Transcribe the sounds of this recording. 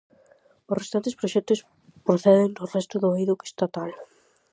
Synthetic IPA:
ʊsrest̪ant̪espɾoʃɛt̪os | pɾoθɛðeŋnorɛst̪ʊðoiðoke̥st̪at̪al

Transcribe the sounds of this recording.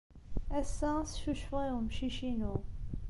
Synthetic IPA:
æsːæsʃuʃfʁimʃiʃinu

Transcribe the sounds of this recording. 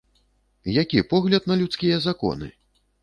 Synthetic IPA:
jakʲipɔɣlʲɐd̪̚nɐlʲut̪skʲijɐzakɔ̰nɨ̰

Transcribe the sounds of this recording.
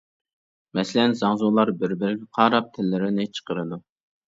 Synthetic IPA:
mɛsɪlɛnzɑŋzolˠɑɾbɪɾbɪɾɪɡʲɪqʰɑːɾɑp̚t̪ʰɪlːɪɾɪnɪt͡ʃʰə̥qəɾɨd̪u

